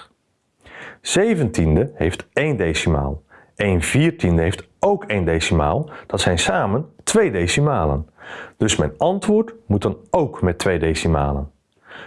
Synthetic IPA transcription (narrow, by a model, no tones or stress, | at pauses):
z̥ejvəntindəhejftejndejsima̰ːlˠ | ejnviːɹtindəɦejft | owkejndejsima̰ːlˠd̥ɑtsɛjnsaːməntʋejdejsimaːlə̰nd̥ɵsmɛjnɑntʋʊːɹtmut̚dɑnowkmɛtʋejdejsima̰ːlə̰n